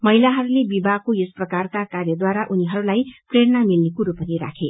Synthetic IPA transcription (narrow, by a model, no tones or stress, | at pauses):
mʌɦilaɦʌɾulebibʱaɡ̚kojosprʌkarkakarjʌd̪waɾaʔuniɦʌɾulajpreɾnamilnekuɾupʌniɾa̰kʰe